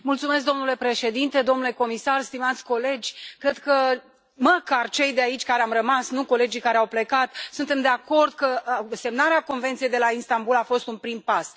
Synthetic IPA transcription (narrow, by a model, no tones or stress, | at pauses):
mult̪sume̞s̬k̚d̪o̞mnule̞pɾe̞ʃe̞d̪int̪e̞d̪o̞mnule̞ko̞misarst̪imat̪sʲko̞le̞d͡ʒʲkɾe̞d̪kə | məkart͡ʃe̞jd̪eait͡ʃʲkaɾeamrəmasnuko̞le̞d͡ʒijkaɾeawple̞kat̪sunt̪e̞md̪e̞ako̞rd̪kəse̞mnaɾeako̞nvent̪siejd̪e̞lainst̪ambulafo̞st̪unpɾimpas